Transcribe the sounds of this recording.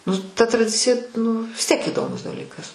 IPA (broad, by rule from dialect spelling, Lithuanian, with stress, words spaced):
nʊ tɐ trɐˈdʲɪt͡sʲɪjɛ nʊ ʋʲɪs tʲiɛk iːˈdoːmʊs dɐˈlʲiːkɐs